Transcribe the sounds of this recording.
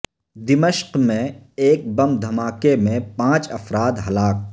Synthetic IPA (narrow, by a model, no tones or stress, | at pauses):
d̪ɪməʃqmẽeːk̚bɐmd̪ʱɐmaːkemẽpãːt͡ʃɐ̰fɾaːd̪ɦɐlaːk̚